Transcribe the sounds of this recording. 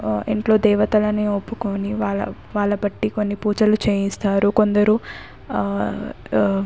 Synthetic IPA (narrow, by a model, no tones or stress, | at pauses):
iɳʈlo̞ːd̪ɛːʋɐt̪ɐlɐneːopːukoːniʋaːɭɐ̰ | ʋaːɭːɐbɐʈːiko̞nːipuːt͡ʃɐlut͡ʃeːjist̪aːɾuko̞nd̪ɐɾu